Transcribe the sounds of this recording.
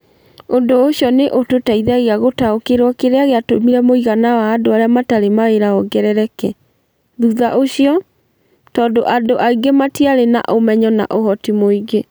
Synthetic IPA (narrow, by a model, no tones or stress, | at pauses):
ondooɕjɔneʔototaiðaɣeaɣotaokeɾwɔkeɾeaɣeatomiɾɛmoiɣanawaːdoaɾeamataɾemaeɾaɔɡɛɾɛɾɛkɛ | ðuðaʔoɕiɔ | tɔːndoʔadoʔaiɡematiaɾena̰ʔomɛɲɔna̰ʔoɦɔtimoiɡe